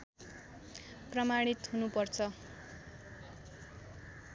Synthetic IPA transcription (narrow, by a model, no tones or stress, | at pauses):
prʌmaɽ̃it̪ɦunupʌrt͡sʰʌ